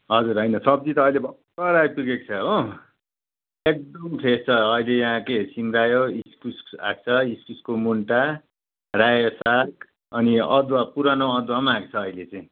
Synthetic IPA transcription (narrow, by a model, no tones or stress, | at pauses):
ɦʌd͡zuɾɦʌjnʌsʌb̚d͡zit̪ʌːjlebʱʌ | kʌɾajpuɡek̚t͡sʰʌo | ek̚d̪ʌmpʰet͡sʰʌːilejãɦãkesimɾajoiskusa̰k̚t͡sʰʌiskuskomuɳʈa | rajosak | ʌniʌd̪wapuɾanow̃ʌd̪wamaak̚t͡sʰʌːilet͡saĩ